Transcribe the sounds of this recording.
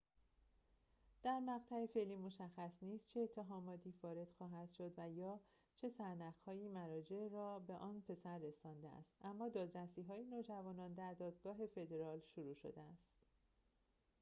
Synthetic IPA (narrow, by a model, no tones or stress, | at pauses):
d̪̥æɾmæɣt̪ʰæefe̞liːmo̞ʃæxːæsniːst͡ʃʰeːt̪ʰːe̞ɦɒːmɒːt̪ʰiːfɒːɾe̞d̪̥xɒːɦæd̪̥ʃo̞d̪væjɒː | t͡ʃʰe̞sæɾnæɣhɒːjiːmæɾɒːd͡ʒe̞ʔɾɒːbe̞ʔɒːnpʰe̞sæɾːe̞sɒːnd̪eæ̰st̪ʔæmːɒːd̪ɒːd̪ɾæsiːɦɒːjenoːd͡ʒævɒːnɒːnd̪æɾd̪ɒːd̪ɡɒːɦe̞fe̞d̪e̞ɾɒːlʃoɾuːʃo̞̰d̪eæst̪